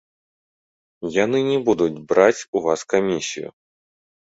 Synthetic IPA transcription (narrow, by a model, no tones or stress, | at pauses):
janɨnʲɛbud̪ud͡zʲbɾat͡sʲuvaskamʲisʲḭjʊ̰